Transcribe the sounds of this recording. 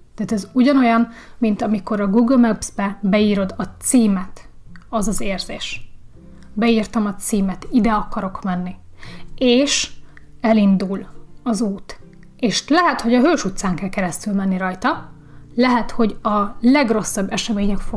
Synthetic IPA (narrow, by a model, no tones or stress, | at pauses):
t̪ɛaːt̪ɛzuɟɒno̞jɒmmint̪ɒmiko̞ɾɒɡuːɡlmɛbz̥bɛbɛiːɾo̞d̪ɒt̪siːmɛt̪ɒzɒzeːrz̥eːʃ | bɛiːrt̪ɒmɒt̪siːmɛt̪id̪ɛɒkɒɾo̞kmɛnːi | eːʃ | ɛlind̪ulɒzuːt̪ | eːʃlɛɦɛt̪ho̞ɟɒɦøːʃut̪saːŋkɛlkɛɾɛst̪ylmɛnːiɾɒjt̪ɒ | lɛɦɛt̪ho̞ɟɒlɛɡro̞sːɒbːɛʃɛmeːɲɛkfo